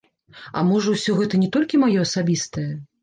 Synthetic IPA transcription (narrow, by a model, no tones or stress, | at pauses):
ɐ̰mɔʐɐwsʲɔɣɛt̪ɐnʲɛt̪ɔlʲkʲimajɔɐsabʲist̪ɐjɐ